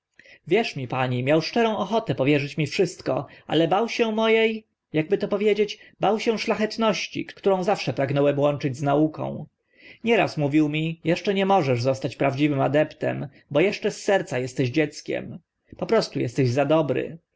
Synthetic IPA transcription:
vʲjɛʂmʲipaɲimʲjawʂt͡ʂɛɾɔ̃w̃ɔxɔt̪ɛpɔvʲjɛʐɘt͡ɕmʲifʂɘst̪kɔ̰ʔa̰lɛbawɕɛmɔjej | jaɡ̚bɘt̪ɔpɔvʲjed͡ʑet͡ɕbawɕɛʂlaxɛt̪nɔɕt͡ɕḭkt̪t̪uɾɔ̃w̃zafʂɛpɾaɡnɔwɛmwɔnt͡ʂɘd͡ʑznaukɔ̰̃w̃ | ɲɛɾa̰smuvʲiwmʲijɛʂt͡ʂɛɲɛmɔʐɛʐzɔst̪at͡ɕpɾavd͡ʑivɘmad̪ɛpt̪ɛ̰m | bɔjɛʂt͡ʂɛsːɛɾt̪sajɛst̪ɛʑd͡ʑɛt̪skʲɛ̰m | pɔpɾɔst̪ujɛst̪ɛʑzad̪ɔbɾɘ̰

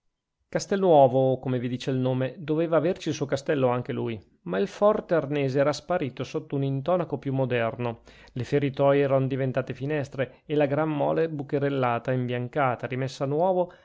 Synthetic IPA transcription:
kast̪ɛlnwɔːvokomevid̪iːt͡ʃeilnoːmed̪oveːvaːvert͡ʃilsuːokast̪ɛlːoaŋk̟eluj | mailfɔrt̪earnɛːzeɛːɾaspaɾiːt̪osot̪ːounint̪ɔːnakopjumːod̪ɛrno | lefeɾit̪ɔjɛːɾanod̪ivent̪aːt̪efinɛst̪ɾeːlaɡɾamːɔ̰ːlebukeɾelːaːt̪aimbjaŋkaːt̪aɾimesːanwɔːvo

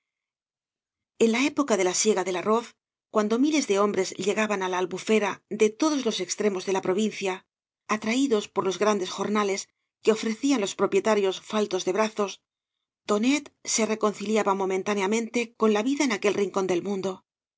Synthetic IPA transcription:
e̞nlae̞po̞kaðe̞lasje̞ɣaðe̞laro̞θ | kwand̪o̞mile̞zðe̞o̞mbɾe̞zʎe̞ɣaβanalaːlβufe̞ɾaðe̞t̪o̞ðo̞zlo̞se̞kst̪ɾe̞mo̞zðe̞lapɾo̞βinθjaː | t̪ɾaiðo̞spo̞ɾlo̞zɣɾand̪e̞sxo̞ɾnale̞s | ke̞o̞fɾe̞θianlo̞spɾo̞pje̞t̪aɾjo̞sfalt̪o̞zðe̞βɾaθo̞s | t̪o̞ne̞t̪se̞re̞ko̞nθiljaβamo̞mẽ̞nt̪aneamẽnt̪e̞ko̞nlaβiðaenake̞lriŋko̞nd̪e̞lmũnd̪o̞

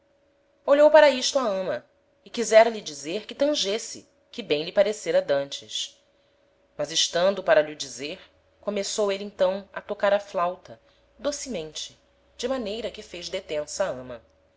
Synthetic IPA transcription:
oʎowpaɾɐiʃt̪uɐɐ̃mɐ | ɪkizɛɾɐlid͡ʒizeɾkɪt̪ɐ̃ʒesɪ̰ | kɪbẽj̃lɪpaɾeseɾɐd̪ɐ̃nt͡ʃɪs | mɐzɪʃt̪ɐ̃nd̪ʊpaɾɐʎiud͡ʒizeɾ | komesowelẽt̪ɐ̃w̃ɐ̰t̪okaɾɐflawt̪ɐ | d̪osimẽnt͡ʃɪ | d͡ʒɪmanejɾɐkɪfejʒd̪et̪ẽsaɐ̃mɐ

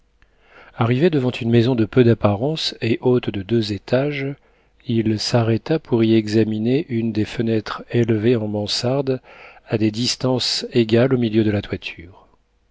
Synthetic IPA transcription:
aʁived̪əvɑ̃t̪ʰynmezɔ̃d̪əpød̪apaʁɑ̃seʔot̪d̪əd̪øzet̪aʒ | ilsaʁɛt̪apʰuʁiɛɡzamineʔynd̪efənɛt̪χɛlveɑ̃mɑ̃saʁd̪ad̪ed̪ist̪ɑ̃seɡʲalomiljød̪əlat̪wat̪ʰyːʁ

